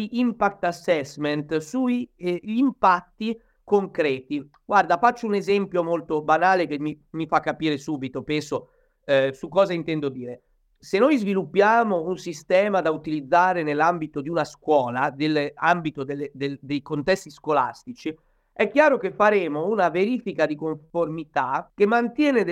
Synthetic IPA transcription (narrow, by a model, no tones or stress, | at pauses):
iʔimpakt̪asːɛsmɛnt̪suʎimpat̪ːi | koŋkɾɛːt̪i | ɡward̪afat͡ʃːounezɛmpjomolt̪obanaːlekemːi | mːifakːapiːɾesuːbit̪opɛnso | sukːɔːzaint̪ɛnd̪od̪iːɾe | senːojzvilupːjaːmounsist̪ɛːmad̪aut̪ilid̪zːaːɾenelːambit̪od̪iunaskwɔːlad̪elambit̪od̪elːed̪ed̪ejkont̪ɛst̪iskola̰st̪it͡ʃi | ɛkːjaːɾokefːaɾeːmounaveɾiːfikad̪ikoɱformit̪akemːant̪jɛːne